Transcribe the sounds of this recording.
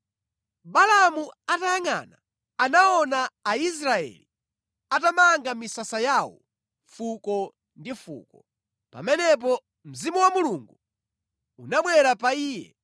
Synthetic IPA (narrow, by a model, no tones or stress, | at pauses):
balamuatajaŋa̰na | anaɔnaːis̬ɾaɛ̰li | atamaŋɡamisasajaːwɔ̰ | fukɔ | ndifṵːkɔ | pa̰mɛnɛp̬ɔ | m̩zimuwamuluŋɡu | unaɓwɛɾapaiːjɛ̰